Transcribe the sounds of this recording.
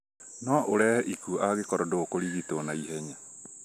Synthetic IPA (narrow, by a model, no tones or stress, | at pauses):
nɔʔoɾɛːhɛʔikuʔaɣekɔɾɔdokoɾiɣitonaiɦɛɲa